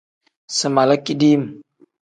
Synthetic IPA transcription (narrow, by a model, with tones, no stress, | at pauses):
sə˨ma˨la˦ki˦di˦m˨